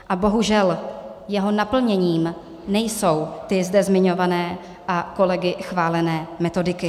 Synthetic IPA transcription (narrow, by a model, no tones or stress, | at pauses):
ʔabo̞ɦuʒɛljɛɦo̞napl̩ɲɛɲiːm | nɛjso̞wt̪ɪzdɛzmɪɲo̞vanɛː | ʔako̞lɛɡɪxvaːlɛnɛːmɛt̪o̞dɪkɪ